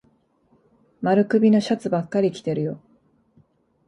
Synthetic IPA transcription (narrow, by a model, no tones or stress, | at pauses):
maɾɯ̟kɯ̟bʲino̞ɕat͡sɨbakːaɾʲikʲi̥t̪e̞ɾɯ̟jo̞